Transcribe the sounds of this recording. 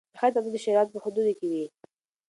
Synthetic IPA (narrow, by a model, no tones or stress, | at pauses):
xat̪akd̪əʃeɾɑt̪̚pəhʊd̪ud̪kewi